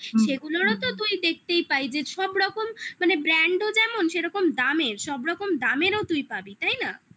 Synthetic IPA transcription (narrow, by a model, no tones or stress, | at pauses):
ʃeɡuloɾot̪ot̪ujd̪ek̚ʰt̪ejpajd͡ʑeʃɔbɾɔkomːanebɾɛɳɖod͡ʑɛmonʃeɾɔkomd̪ameɾʃɔbɾɔkomd̪ameɾot̪ujpabit̪ajna